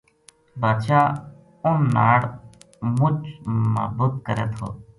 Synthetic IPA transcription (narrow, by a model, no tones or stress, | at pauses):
baːt͡ʃaː | ʊnna̰ːɽ | mʊt͡ʃmə̰ːbuːt̪̚kəɾḛːt̪ʰo̰ː